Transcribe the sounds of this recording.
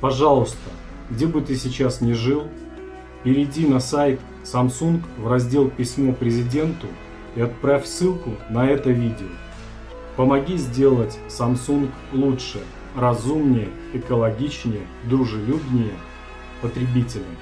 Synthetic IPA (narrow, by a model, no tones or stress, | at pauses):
pɐʐɑlˠʊst̪ə | ɡdʲe̞bɨt̪ɨsʲɪt͡ɕasnʲɪʐɨlˠ | pʲɪɾʲɪdʲinɐsajt̪ | sɐmsunkvrɐzʲdʲe̞lˠpʲɪsʲmopɾʲɪzʲɪdʲe̞nt̪ʊ | iɐt̪̚pɾafʲsɨlˠkʊnɐɛt̪əvʲidʲɪo | pəmɐɡʲizʲdʲe̞lˠətʲsɐmsunk | lˠutʂɨ | rɐzumnʲɪjə | ɛkəlˠɐɡʲit͡ɕnʲɪjə | d̪ɾʊʐɨlʲubnʲɪjə | pət̪ɾʲɪbʲitʲɪlʲə̰